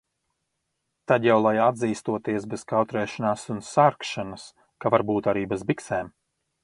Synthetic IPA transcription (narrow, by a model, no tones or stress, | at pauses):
t̪ad̪jawlˠajad̪ziːst̪uɔt̪iɛsbɛz̥kawt̪ɾɛːʃanaːsunsaɾkʃanas | kavaɾbuːt̪aɾiːbɛzbiksɛːm